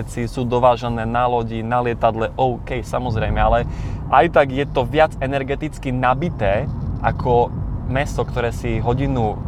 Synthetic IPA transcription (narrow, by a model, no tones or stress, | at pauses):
t͡sisuːd̪ɔʋaːʒanɛːnalɔɟinalɪɛt̪ad̪lɛʔɔʊkɛjsamɔzɾɛjmɛalɛʔajt̪aɡjɛt̪ɔʋɪad͡zɛnɛɾɡɛt̪it͡skinabit̪ɛːʔakʰɔmɛst̪ɔkt̪ɔɾɛːsiɦɔɟinu